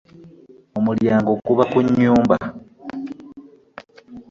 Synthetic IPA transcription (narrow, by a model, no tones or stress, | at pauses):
omuljaːŋɡo̞kuβakuɲːuːmba